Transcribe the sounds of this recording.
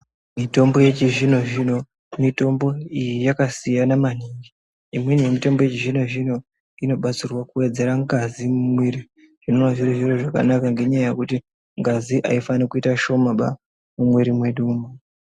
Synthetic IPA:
mito̞mbo̞je̞t͡ʃiʐino̞ʐino̞ | mito̞mbo̞ijijakasijanamaniːŋɡi | imwenije̞mito̞mbo̞jet͡ʃiʐino̞ʐino̞ | ino̞ɓat͡sirwakuwe̞d͡ze̞ɾaŋɡazimumwiri | ʐ̥ino̞naʐiriʐiroʐaka̰nakaŋɡe̞ɲaaje̞kuti | ŋɡaziʔa̰ifanikuitaʃo̞maɓa̰ | mumweɾimwe̞ɗuːma

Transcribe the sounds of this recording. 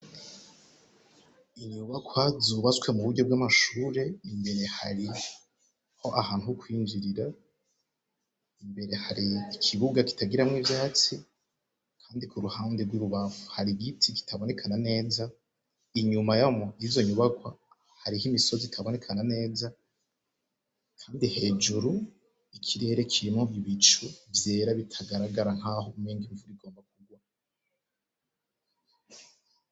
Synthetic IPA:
iɲuβakwazuβat͡swe̞muβuɾɟo̞b̚ɡamaʃuːɾe̞imbe̞ɾe̞haɾi | ho̞ʔahaːn̥tuhukwiːnziɾiɾa | imbe̞ɾe̞haɾiːkʰiβuɡaki̥taɡiɾamŋivjaːt͡si | kʰaːndikuɾuhaːndeɾɡwiɾuβavuhaɾiɡitʰiki̥tʰaβo̞ne̞kʰanane̞ːza | iɲumajamoizo̞ɲuβakwa | haɾihimiso̞zitʰaβo̞ne̞kʰanane̞ːza | kʰaːndihe̞ːd͡ʒuɾu | ikʰiɾe̞ːɾe̞kʰiɾimoʔiβit͡ʃuvje̞ːɾaβitʰaɡaɾaɡaɾaŋ̥haho̞umiːŋɡiɱvuɾiɡo̞ːmbak̚uɡwa

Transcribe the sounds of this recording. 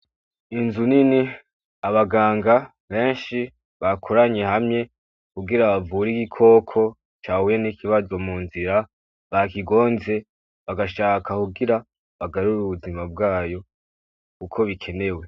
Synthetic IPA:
inzunini | aβaɡaːŋɡa | βe̞ːnʃi | βakʰoɾaɲe̞hamɲe̞ | kuɡiɾaβavuɾiɡikʰo̞ːkʰo̞ | t͡ʃaːwujenikiβazo̞muːnziɾa | βakiɡo̞ːnze̞ | βaɡaʃaːkʰakuɡiɾa | βaɡaɾuɾuβuzimab̚ɡaːjo̞ | kukʰo̞βikʰe̞ne̞we̞

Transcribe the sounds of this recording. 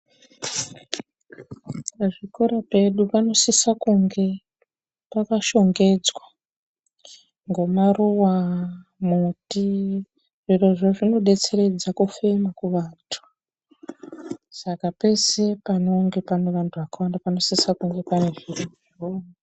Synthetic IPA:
ʐikoɾape̞ɗupano̞sisakuŋɡe̞ | pakaʃo̞ŋɡe̞d͡zwa | ŋɡo̞maruwamuti | ʐiroʐoʐino̞ɗe̞t͡se̞re̞d͡zakufe̞makuʋaːntʰu̥ | sakape̞se̞pano̞ŋɡe̞pane̞ʋantʰuʋakawandapano̞sisakuŋɡe̞pane̞ʐiroʐioːna

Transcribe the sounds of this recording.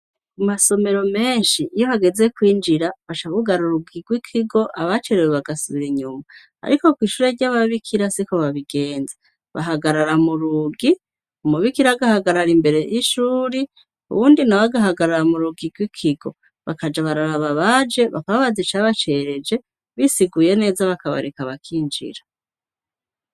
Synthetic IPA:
kumaso̞me̞ɾo̞me̞ːnʃiːjoβaɡe̞ze̞kwiːnd͡ʒiɾaβat͡ʃaβuɡaɾuɾuɡiɡwikʰiɡo̞ʔaβat͡ʃeɾeweβaɡasuβiɾiɲuma̰ː | ɾiko̞kwiːʃuɾeɾɟaβaβikʰiɾasiko̞βaβiɡe̞ːnze | βa̰ɦaɡaɾaɾamuɾuɡi | umuβikiɾaɡahaɡaɾaɾimbe̞ɾe̞jiʃuːɾi | ṵβuːndinawaɡaɦaɡaɾaɾamuɾuɡiɡwikʰiɡo̞̰ | βa̰kad͡ʒaβaɾaɾaβaβad͡ʒe̞βa̰kaβaβazit͡ʃaβat͡ʃe̞ɾe̞d͡ʒe̞ | βisiɡuje̞ne̞ːzaβakaβa̰ɾekaβakʰiːnd͡ʒḭɾa

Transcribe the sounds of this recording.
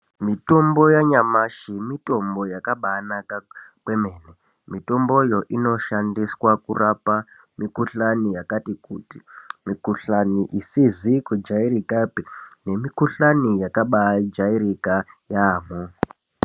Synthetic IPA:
mito̞mbo̞jaɲamaʃimito̞mbo̞jakaɓanakakwemeːne | mito̞mbo̞jo̞ʔino̞ʃandiswakurʔapa | mikuɬanijakatikutimikuɬaniʔisizikud͡ʒaiɾikapine̞mikuɬanijakaɓaid͡ʒaiɾikajaːmo

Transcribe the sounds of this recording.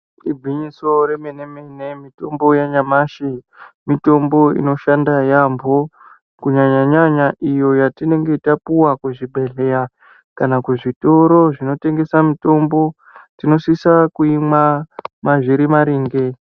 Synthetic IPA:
ibʱiɲiso̞ɾe̞menemene̞mito̞mbo̞jaɲamaʃi | mito̞mbo̞ḭno̞ʃandajambʱo̞ | kuɲaɲaɲaɲaʔijo̞jatine̞ŋɡe̞itapuwakweʐibʱe̞ɬeja | kanakeʐito̞ɾo̞ʐino̞te̞ŋɡe̞samito̞mbo̞ | tino̞sisakuimamaʐiɾimaɾiːŋɡe̞

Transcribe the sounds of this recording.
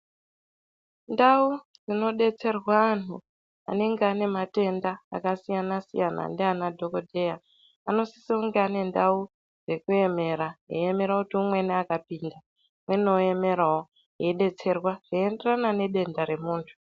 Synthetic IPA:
ndau | d͡zino̞ɗe̞t͡se̞rwaːn̤u | a̰ne̞ŋɡeane̞mate̞nda̰ːkasijanasḭjana̰ndeanadʱo̞kodʱe̞ja | ano̞si̥siuŋɡeane̞ndau | d͡ze̞kue̞me̞ːɾaɦeeme̞ɾakutiumwe̞neakapiːnda | mwe̞noe̞me̞ɾao | ɦeɗe̞t͡se̞rwaʐ̥ienderanane̞ɗe̞ndaɾe̞muːntʰu̥

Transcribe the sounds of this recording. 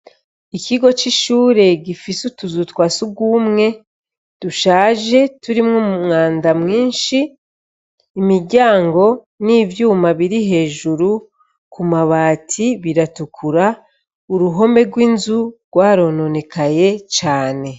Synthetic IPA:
ikiɡo̞t͡ʃiʃuːɾe̞ɟifisutuzutwaːsuɡwuːmŋe̞ | d̥uʃaːʒe̞tuɾimŋumumŋaːndamŋiːnʃi | miɾɟaːŋɡo̞ | niːvjuːmaβiɾiɦe̞ːʒuɾu | kumaβaːtʰiβiɾatukʰuɾa | uɾuɦo̞mbe̞ɡwiːnzuɾɡ̥waːɾo̞no̞ne̞kaje̞t͡ʃaːne̞

